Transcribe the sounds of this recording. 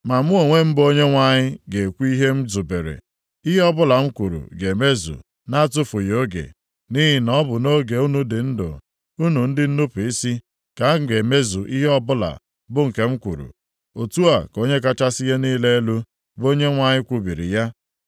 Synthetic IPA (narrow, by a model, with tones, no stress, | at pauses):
ma˨mu˦o˨ŋʷe˦m̩˦bo˦ɲe˦ŋʷa˨ɲɪ˦ɡe˨kʷu˦i˦ɦe˦m̩˦zu˨be˨ɾḛ˨ | i˦ɦe˦ɔ˦bʊ˦la˨ŋ͡m̩˦kʷu˨ɾṵ˨ɡe˨me˦zṵ˨ | na˦a˦tʊ˦fʊ˨jo˦ɡḛ˨ | ni˦ɦi˨nɔ˦bʊ˨no˦ɡe˨u˦nu˦dɪ˨n̩˦dʊ̰˨ | u˦nu˨n̩˦dɪ˦n̩˦nʊ˦pʊ˨i˦si˦ | ka˦˨ɡe˨me˦zu˨ʔi˦ɦe˦ɔ˦bʊ˦la̰˨ | bʊ˦ŋ̩˨ke˦m̩˦kʷṵ˨ɾṵ˨ | o˨tu˦a˨ko˦ɲe˦k̬a˦t͡ʃa˦sɪ˦je˦niː˦le˦e˦lu˦ | bo˦ɲe˦ŋʷa˦˨ɲɪ˦kʷu˦bi˨ɾḭ˨ja˦